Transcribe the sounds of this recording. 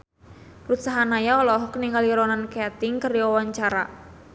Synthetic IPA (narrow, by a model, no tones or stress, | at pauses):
rut̪saɦanajaɔlɔɦɔkəniŋaliɾɔnankeat̪ɪŋkəɾiɔwaɲt͡ʃaɾa